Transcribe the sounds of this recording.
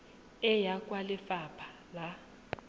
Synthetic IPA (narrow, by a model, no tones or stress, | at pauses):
ɛjakʼwalɪfapʰḁ | la